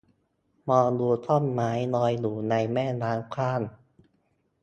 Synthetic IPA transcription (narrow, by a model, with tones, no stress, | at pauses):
mɔː˧du˧t̪̚t̪ʰɔ˥˩nmaː˦˥jnɔː˧jluː˨˩na˧jmɛː˥˩naː˦˥nkʰaː˥˩n